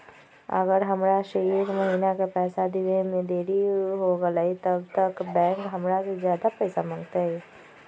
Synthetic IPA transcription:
ə̰ɡəɾɦɐmɾaʃeeɾmɐɦiːnakapɛːsad̪ɪʋẽmẽd̪eːɾiɦoɡəlait̪əbt̪əkbɛ̃ːŋkɦɐmɾasezjaːd̪apɛːsamɐ̃ŋɡt̪aɦɛː

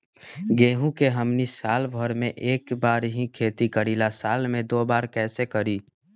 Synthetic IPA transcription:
ɡeːɦũkeɦəmnisaːlbʱəɾmẽʔeːkbaːɾɦĩkʰeːt̪ikəɾilasaːlmẽd̪obaːɾkɛːsekəɾi

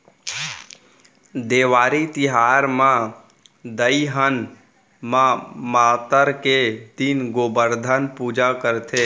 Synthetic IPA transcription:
d̪eːʋaːɾit̪ɪɦaːɾmã | d̪əiɦən | mãmaːt̪əɾked̪inɡobəɾd̪ʱənpuːd͡ʒakəɾt̪ʰeː

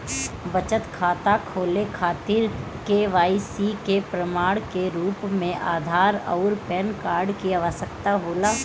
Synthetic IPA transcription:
bət͡ʃət̪kʰaːt̪akʰoːlekʰaːt̪ɪɾ | keʋaːisikepɾəmaːɽkeɾuːpmẽʔaːd̪ʱaːɾɔ̰ʊɾpɛːnkaːɾɖkiaʋəsək̚t̪aɦoːlaː

